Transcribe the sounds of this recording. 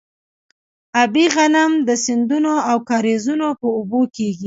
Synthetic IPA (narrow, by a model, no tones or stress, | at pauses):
abiɣanamd̪əsɪnd̪unoawkɑɾezunopəʊbokeɡi